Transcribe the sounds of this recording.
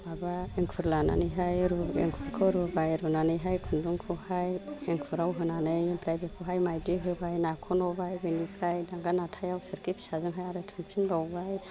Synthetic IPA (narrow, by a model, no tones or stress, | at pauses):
abaeŋkʰuɾlana̰nɯjɦajɾuḛŋkʰuɾkʰɯɾubajɾunanɯjɦajkʰunduŋkʰɯhajeŋkʰuɾawɦɯnanɯjempɾajbikʰuɦajmajdiɦɯbajnakʰɔnɔbajbɯnipʰɾajdaŋɡanatʰajawsɯɾkipsazɯŋɦajaɾɯtʰumpʰinbawbaj